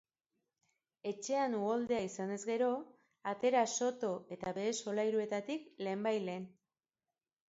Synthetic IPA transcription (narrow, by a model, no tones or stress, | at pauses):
e̞t͡ʃe̞anuɣold̪e̞aisane̞zɡe̞ɾo̞ | at̪e̞ɾaso̞t̪o̞e̞t̪aβe̞ːso̞lajɾue̞t̪at̪ikle̞ːmbajle̞ːn